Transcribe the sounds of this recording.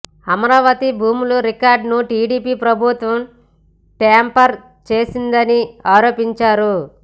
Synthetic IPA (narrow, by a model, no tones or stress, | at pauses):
ɐmɐɾaːʋɐt̪ibʱuːmuluɾikaːɾɖnuʈiːɖiːpiːpɾɐbʱut̪ʋɐm | ʈaːmpɐɾ | t͡ʃe̞ːsind̪ɐniaːɾo̞ːpiɲt͡ʃaːɾu